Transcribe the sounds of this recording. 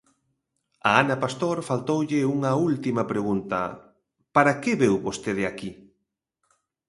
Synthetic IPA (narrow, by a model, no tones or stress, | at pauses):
ɐanɐpast̪oɾfalt̪owʎɪuŋɐult̪imɐpɾeɣunt̪ɐ̰ | paɾɐkeβewβost̪eð̞eaki